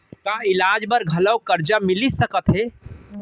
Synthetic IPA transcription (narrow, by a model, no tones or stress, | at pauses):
kaɪlaːd͡ʒbəɾɡʱɐləwkəɾd͡ʒamɪlisəkət̪ɦe